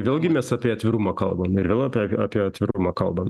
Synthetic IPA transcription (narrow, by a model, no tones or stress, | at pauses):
ʋʲeːlˠɡʲɪmʲɛsɑːpʲiɛɐt̪ʲʋʲɪɾumɐkɐlˠbɐmɪɾʋʲeːlˠɑpʲːaːpʲiɛɐt̪ʲʋʲɪɾumɐːkɐlˠbɐm